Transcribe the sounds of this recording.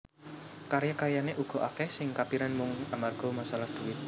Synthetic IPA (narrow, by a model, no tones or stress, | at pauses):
kaɾjakajaneʔuɡ̥ɔ̤ʔakɛhsɪŋkapiɾanmʊŋamarɡ̥ɔ̤masalahd̪̥uwɪt̪̚